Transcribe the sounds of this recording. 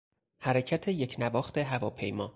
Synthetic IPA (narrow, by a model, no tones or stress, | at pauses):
hæɾecʰæt̪ʰe̞jecʰnævɒːxt̪e̞ɦævɒːpʰe̞̰jmɒ̰ː